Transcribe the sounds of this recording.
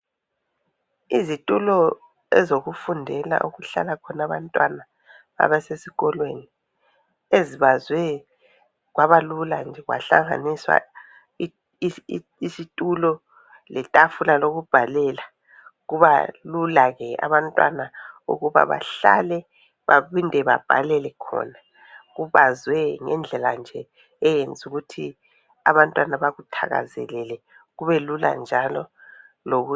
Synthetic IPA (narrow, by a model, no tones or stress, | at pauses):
izitʼulɔ | ɛ̰zoɣufundʱɛla̰ʔuɣuɬa̰lakʰɔnaβa̰ntʼwana | a̰βɛsesiɣɔlweni | eziβazwɛ | ɣwʔaβaluland͡ʒʱɛɣwa̰ɬaŋa̰niswa̰ | isitʼulɔ | lɛtʼafulaloɣub̥ʱalɛla | ɣuβalulaɣɛa̰βantʼwa̰nauɣuβa̰βa̰ɬa̰lɛ | βaβindʱɛβa̰b̥ʱalɛlɛkʰɔ̰na | ɣuβazwɛŋɛnd͡ɮʱɛland͡ʒʱɛː | jend͡zʱuɣutʰi | a̰βantʼwanaβaɣutʰaɣa̰zɛ̰lɛlɛ | ɣuβɛlula̰nd͡ʒʱalɔ | loɣu